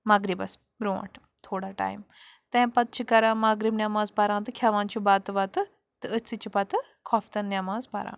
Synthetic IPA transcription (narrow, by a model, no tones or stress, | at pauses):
mɐɡɾibɐs | bɾoʋɐ̰ʈʰ | t̪ʰoːɽaʈa̰ːjm | t̪ẽːpɐt̪̚t͡ʃʰikɐɾãːmɐɡɾibnʲamaːzpɐɾãːt̪ɨkʲʰaʋãːnt͡ʃʰibaːt̪ɨʋat̪ɨ | t̪ɨət͡sːit͡ʃipɐt̪ɨ | kʰɔft̪ɐnːʲamaːzpa̰ɾã̰ː